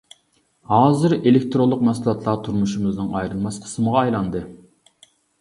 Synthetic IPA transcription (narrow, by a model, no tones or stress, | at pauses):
hɑːzɨɾelekt̪ɾolˠːʊqmɑslˠɑt̪ʰlˠɑt̪ʰuɾmuʃumɨznɨŋɑjɾɨlˠmɑsqʰə̥sməʁɑːjlˠɑnd̪ɨ